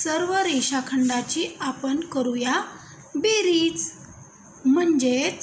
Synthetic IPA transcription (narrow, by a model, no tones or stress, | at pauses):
səɾʋəɾeɕakʰəɳɖat͡ɕiapəɳkəɾuja | beɾiːt͡s | m̤əɳd͡ʑe